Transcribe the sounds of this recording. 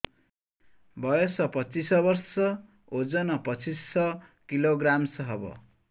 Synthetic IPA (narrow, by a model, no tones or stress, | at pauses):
bʱʌjosʌpʌt͡sisʌbʌrsʌ | od͡zʌnʌpʌt͡sʰisːʌkiloɡramsʌɦʌbʌ̰